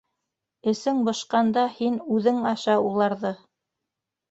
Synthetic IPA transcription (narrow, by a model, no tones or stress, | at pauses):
ɘ̆sɘŋbɤ̆ʃqɑnd̪ɑhinʉðɘŋɑʃɑulˠɑɾðɤ